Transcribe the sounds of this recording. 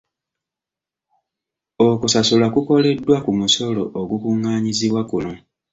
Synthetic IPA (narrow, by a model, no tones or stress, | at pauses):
okusasulakuko̞le̞dːwakumuso̞lo̞ʔoɡukuŋaːɲiziβwakuno̞